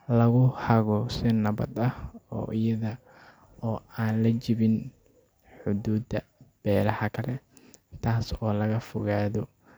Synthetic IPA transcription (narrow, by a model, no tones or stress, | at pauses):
lɐɣʊhɐɣɔsɪnɐβɐ̰d̪ɐhɔ̰ːʔɪjɐðɐ | ɔːaːnlɐt͡ʃɪβɪn | ħʊd̪uːd̪ɐb̥ɛːlɐhɐkʰɐlɛ | t̪ʰaːsɔːlɐɣɐfʊɣaːðɔ